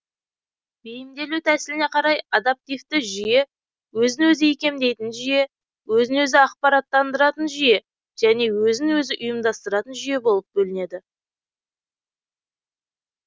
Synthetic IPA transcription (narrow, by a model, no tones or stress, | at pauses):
bejɪmd̪e̞lut̪ʰæsɪlɪne̞qʰɑɾɑjɑd̪ep̚t̪ijft̪ɪʒije̞ | wɵzɪnwɵzɪjikʲe̞md̪e̞jt̪ɪnʒije̞ | wɵzɪnwɵzɪɑq̚pɑɾɑt̪ːɑnd̪əɾɑt̪ənʒije̞ | ʒ̥æne̞wɵzɪnwɵzɪʔʊjəmd̪ɑst̪əɾɑt̪ənʒʏje̞bo̞lˠəp̚bɵlɪne̞d̪ɪ